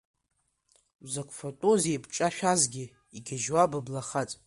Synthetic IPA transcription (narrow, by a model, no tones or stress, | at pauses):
wzakʷʰʼfotʼoziebʰʼt͡ʃʼaʃᶣazɡʲɪ | iɡʲaʒwabablaχat͡sʼ